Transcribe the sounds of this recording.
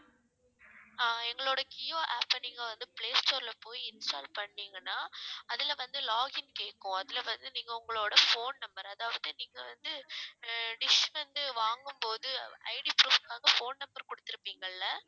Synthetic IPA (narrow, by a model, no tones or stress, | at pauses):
aːɛŋɡɐɭoːɽɐkɪjoːʔaːpːɐniːŋɡɐʋɐnd̪ɯpɭeːsʈoːɾlɐpoːjiɪnsʈaːlpɐɳːiːŋɡɐnːaːɐðɪlʋɐnd̪ɯlaːɣɪnkeːʈːʊ̃ɐðɪlɐʋɐnd̪ɯniːŋɡɐʊŋɡɐɭoːɽɐfoːnnɐmbɐɾɐðaːʋɐðɯniːŋɡɐʋɐnd̪ɯ | ɖɪʂʋɐnd̪ɯʋaːŋɡɯmpoːðɯɐ̰ɪɽipɾuːʋɯkːaːɣɐfoːnnɐmbɐɾkɔɽɯt̪ːɪɾɯpːiːŋɡɐɭːɐ